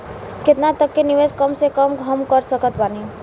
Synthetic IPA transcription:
kɪt̪nat̪əkːeniʋeskəmsekəmɡʱəmkəɾsəkət̪baːni

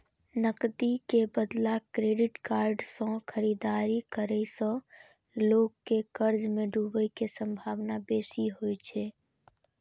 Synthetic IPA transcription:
nəkd̪ikebəd̪lakɾeɖiʈkaɾɖsə̃kʰəɾid̪aɾikəɾəjsə̃ | loɡːekəɾd͡ʒmẽɖubəjkesə̃mbʱaʋnabesiɦojt͡ʃʰɛ

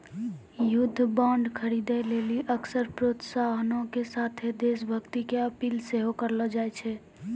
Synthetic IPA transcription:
jud̪ʱːbãɳɖkʰəɾid̪ɛleliʔəksəɾpɾot̪saɦənõkesat̪ʰed̪esbʱəkt̪ikeəpiːlseɦokəɾlɔd͡ʒajt͡ʃʰɛ

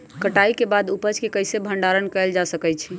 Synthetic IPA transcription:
kəʈaikebad̪upəd͡ʒkekəjsebʱəɳɖaɾənkɛld͡ʒasəkɛt͡ʃʰi

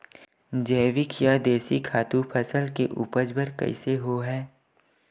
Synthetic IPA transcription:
d͡ʒɛːʋɪkʰjad̪eːsikʰaːt̪upʰəsəlkeʔuːpəd͡ʒbəɾkə̰ɪseɦoɦɛː

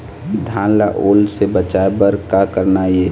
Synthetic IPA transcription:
d̪ʱãːlaʔoːlsebət͡ʃaebəɾkakəɾnaje

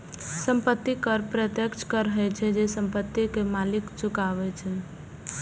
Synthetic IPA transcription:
səmpət̪ːikəɾpɾət̪jəkt͡ʃkəɾɦɛt͡ʃʰɛd͡ʒesəmpət̪ːikemalikt͡ʃukaʋɛt͡ʃʰɛ

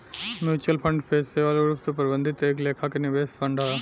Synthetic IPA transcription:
mjuːt͡ʃuəlpʰə̃ɳɖpʰeːseʋaːloɾupt̪opəɾɪbə̃nd̪ʱɪt̪eːkleːkʰakenɪʋeːspʰɐ̃ɳɖaː

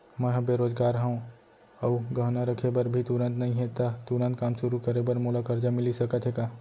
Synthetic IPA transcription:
məɦãbeɾoːd͡ʒɡaːɾɦə̃ũ | əuɡəɦnaɾəkʰebəɾbʱit̪uɾə̃nt̪nəɦĩɦet̪at̪uɾə̃nt̪̚kaːmʃʊɾukəɾebəɾmolakəɾd͡ʒamɪlisəkət̪ɦekaː

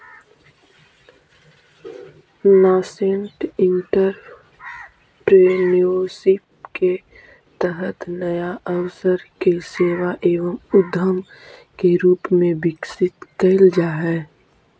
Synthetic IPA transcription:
naːseɳʈɪ̃ɳʈəɾ | pɾeːniosɪpke | t̪əɦət̪nəjaʔəwsəɾkeseːʋaʔeːʋəmʊd̪ʱəmkeɾuːpmẽbɪksɪt̪kəld͡ʒaːɦɛː

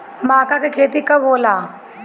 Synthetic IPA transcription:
maːkakekʰeːt̪ikɐboːlaː

